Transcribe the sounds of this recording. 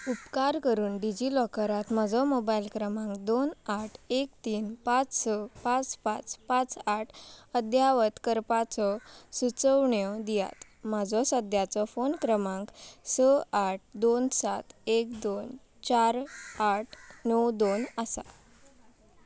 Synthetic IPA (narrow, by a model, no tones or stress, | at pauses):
upkaɾkəɾuːnɖid͡ʑilɔkəɾat̪mad͡zʱɔmobailkɾəmãŋkd̪onaʈʰekt̪iːnpat͡ssəpãt͡spat͡spãt͡saʈʰəd̪ʱjaʋət̪kəɾpat͡sɔsut͡səʋɳjɔd̪ija̰t̪ | m̤ad͡zɔsəd̪ʱjat͡sɔfonkɾəmãŋksəaʈ̚ʰd̪onsat̪ekd̪on | t͡ɕaɾaʈʰnəwd̪onəsa̰